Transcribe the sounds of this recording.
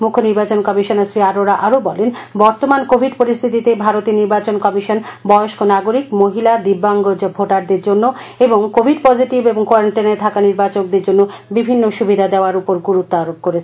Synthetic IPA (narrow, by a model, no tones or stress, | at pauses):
mukʰːoniɾbat͡ɕonkɔmiʃonasɾiaɾoɾaʔaɾobɔlenbɔɾt̪omankobʱiɖpoɾist̪ʰit̪it̪ebʱaɾot̪iniɾbat͡ɕonkɔmiʃonbɔoʃkonaɡoɾikmoɦilad̪ibːaŋɡod͡ʑbʱoʈaɾd̪eɾd͡ʑonːoeboŋkobʱiɖpɔd͡ʑʱiʈibeboŋkoaɾaɳʈineɾt̪ʰakaniɾbat͡ɕok̚d̪eɾd͡ʑonːobibʱinːoʃubid̪ʱad̪eoaɾupoɾɡuɾut̪ːoaɾob̚koɾet͡ɕʰe